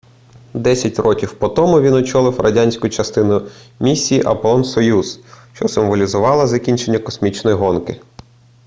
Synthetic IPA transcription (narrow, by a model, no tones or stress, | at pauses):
d̪ɛsʲɐtʲrɔkʲiwpɔt̪ɔmʊʋʲinʊt͡ʃɔlˠɪwrɐdʲanʲsʲkʊjt͡ʃɐst̪ɪnʊmʲisʲːijːʔɐpɔlˠɔnsɔjuzʃt͡ʃɔsɪmʋɔlʲizʊʋɑlˠɐzɐkʲinʲt͡ʃe̞nʲːɐkɔsmʲit͡ʃnɔjiɦɔnkɪ